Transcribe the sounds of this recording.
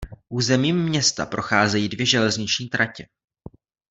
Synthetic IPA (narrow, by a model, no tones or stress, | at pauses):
ʔuːzɛmiːmːɲɛst̪a̰pɾo̞xaːzɛjiːdvjɛʒɛlɛzɲɪt͡ʃɲiːt̪ɾʔacɛ